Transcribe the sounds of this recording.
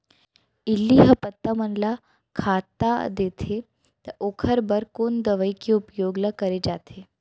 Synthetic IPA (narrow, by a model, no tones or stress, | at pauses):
ilːiɦəpət̪ːamənla | kʰat̪ad̪et̪ʰe | t̪əʔokʰəɾbəɾkond̪əʋəjkiupjoɡləkəɾed͡ʑat̪ʰe